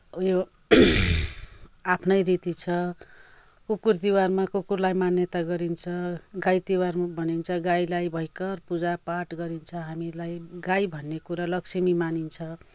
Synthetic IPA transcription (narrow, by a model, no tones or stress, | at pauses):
jo | apʰnʌjɾit̪it͡sʰʌ | kukurd̪iwarmakukurlajmanjʌt̪aɡʌɾint͡sʰʌɡajt̪iwarmabʱʌnint͡sʰʌɡajlajbʱʌjkʌrpud͡zapaʈɡʌɾint͡sʰʌɦamilajɡajbʱʌnːekuɾalʌksimimanint͡sʰʌ